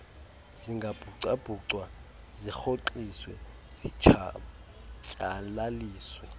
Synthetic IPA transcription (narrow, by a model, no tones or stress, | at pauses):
ziŋɡʱab̥ʱuǀab̥ʱuǀwa | zixoǃiswɛ̰ | z̥i | t͡ʃʼalaliːswɛ